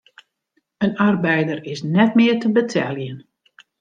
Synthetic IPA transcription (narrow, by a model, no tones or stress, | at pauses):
ənarbɛjdəɾɪsnɛtmɪətəbətʰɛlˠjən